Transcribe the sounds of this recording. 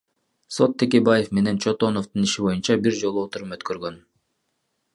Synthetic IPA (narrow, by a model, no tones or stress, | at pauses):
so̞t̪ʰːekʲe̞baje̞fme̞ne̞nt͡ʃʰo̞t̪ono̞ft̪ɯniʃibo̞junt͡ʃɑbiɾd͡ʒo̞lˠuot̪uɾupøt̪kø̞ɾɡø̞n